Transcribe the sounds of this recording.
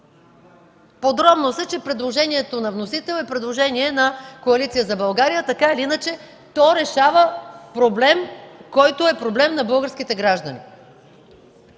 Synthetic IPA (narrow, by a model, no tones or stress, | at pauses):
pod̪ɾɔbnosɛt͡ʃɛpɾɛd̪lˠoʒɛniɛt̪onɐvnosit̪ɛlˠɛpɾɛd̪lˠoʒɛniɛnɐkoɐlit̪sijəzɐbɐlˠɡaɾijət̪ɐkailiinət͡ʃɛ | t̪ɔɾɛʃavəpɾoblɛmkɔjt̪oɛpɾoblɛmnɐbɤlˠɡəɾsk̟it̪ɛɡɾaʒd̪ənḭ